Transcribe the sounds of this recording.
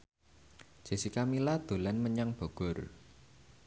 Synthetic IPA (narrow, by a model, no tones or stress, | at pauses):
d͡ʒ̥e̤sikamilad̪̥o̤lanməɲaŋb̥ɔ̤ɡ̥ɔ̤r